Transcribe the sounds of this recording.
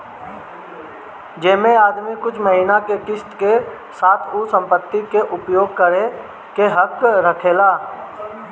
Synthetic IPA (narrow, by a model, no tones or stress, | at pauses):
d͡ʒeːmẽaːd̪mikʊt͡ʃʰməɦinakeʈɪst̪ke | saːt̪ʰusə̃mpət̪ːikeʔʊpjoːɡ̚kəɾe | keɦəkːɾəkʰeːlaː